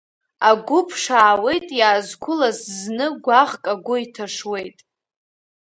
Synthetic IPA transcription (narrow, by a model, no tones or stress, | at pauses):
aɡʷʊpʰʂaːwe̞jtʼjaːzkʷʰʊlazznɨɡʷaʁkʼaɡʷʊitʰaʂwe̞jtʼ